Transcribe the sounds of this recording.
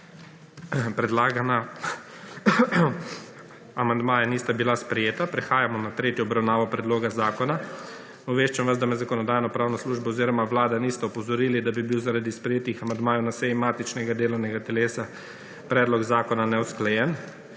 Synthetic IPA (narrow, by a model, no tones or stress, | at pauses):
pɾɛd̪laːɡana | amand̪maːjaniːst̪abilaspɾɛjeːt̪apɾɛxaːjamɔnat̪ɾeːt̪jɔːbɾawnaːʋɔpɾɛd̪loːɡazaːkɔna | uʋeːʃt͡ʃamʋaszd̪amɛzakɔnɔd̪aːjnɔpɾaːwnɔsluʒbaɔziːɾɔmaʋlaːd̪aniːst̪ɛɔpɔzɔɾiːlid̪abibiwzaɾad̪ispɾɛjeːt̪ixamand̪maːjɔnasɛjimaːt̪it͡ʃnɛɡad̪eːlɔwnɛɡat̪ɛleːsa | pɾɛːd̪lɔɡzaːkɔnanɛwsklɛjɛn